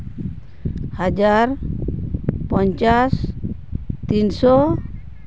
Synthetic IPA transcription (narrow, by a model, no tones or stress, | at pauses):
had͡ʒaɾ | pɔɲt͡ʃas | t̪insɔ